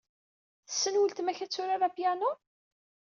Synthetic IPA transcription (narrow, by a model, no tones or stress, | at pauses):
θə̥sːənwəlt̪mæçæt͡sːʊɾaɾapjænʊ